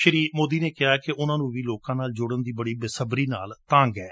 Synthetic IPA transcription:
ʃəɾiːmoːd̪iːneːkɪɦaːkɪʔʊnãːnũːʋiːloːkãːnaːld͡ʒʊɽənd̪iːbəɽiːbɪsəbɾiːna̰ːlt̪ãːŋɡɛː

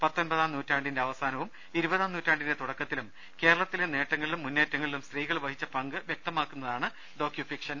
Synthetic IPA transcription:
pɐt̪ːo̞nbɐðaːmnuːtːaːɳɖinde̞ɐʋɐsaːnɐʋum | iɾubɐðaːnuːtːaːɳɖinde̞t̪uɽɐkːɐt̪ːilum | ke̞ːɾɐɭɐt̪ːilene̞ːʈːɐŋːɐɭilumːunːe̞ːtːɐŋːɐɭilumst̪riːɣɐɭʋɐhit͡ɕːɐpɐŋɡɨʋjek̚t̪ɐmaːkːunːɐðaːɳɨ | ɖo̞ːkjufikʂɐn

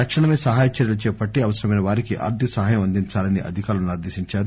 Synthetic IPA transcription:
t̪ɐkʂɐɳɐmeːsɐɦaːjɐt͡ʃɐɾjɐlut͡ʃɛːpɐʈːiɐʋɐsɐɾɐmɐjnɐʋaːɾikiʔa̰ːɾt̪iɐsɐɦaːjɐmɐnd̪iɲt͡ʃaːlɐniʔɐ̰d̪ʱikaːɾɐmnaːɾd̪eːʃiɲt͡ʃaːɾu

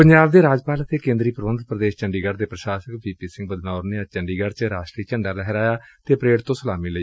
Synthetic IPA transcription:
pəɲd͡ʒaːbd̪eːɾaːd͡ʒpaːlət̪ʰeːkẽːnd̪ɾiːpɾəʋənd̪pɾəd̪eːʃt͡ʃəɳɖiːɡəɾd̪eːpɾəʃaːsəkbiːpiːsɪ̃ŋɡ̚bəd̪naːʊɾneaːt͡ʃəɳɖiːɡəɾt͡ʃɾaːʃʈɾiːt͡ʃəɳɖaːlɛɦɛɾaːjaːt̪eːpɾeːɽt̪õːsəlaːmiːləiː

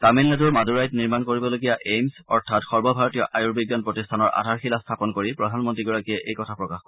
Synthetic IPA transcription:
taminːaduɹmaduɹajtniɹmankoɹibɔloɡijaʔejmsɔɹtʰatxɔɹbɔbʱaɹɔtijɔʔajuɹbiɡjanpɹɔtistʰanɔɹʔa̰dʱaɹxilastʰapɔnkoɹipɹɔdʱanmɔntɹiɡɔɹakiɛʔejkɔtʰapɹɔkaxk

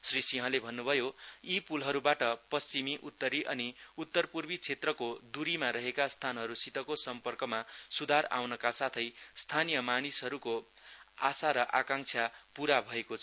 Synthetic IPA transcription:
srisiɦʌ̃lebʱʌnːubʱʌjoipulɦʌɾubaʈʌpʌst͡simiʔut̪ːʌɾiʔʌniut̪ːʌrpurbit͡sʰet̪rʌkod̪uɾimaɾʌɦekast̪ʰanɦʌɾusit̪ʌkosʌmpʌrkʌmasud̪ʱaɾa̰wnʌkasat̪ʰʌjst̪ʰanijʌmanisɦʌɾuko | asaɾʌʔakaŋt͡sʰjapuɾabʱʌekot͡sʰ

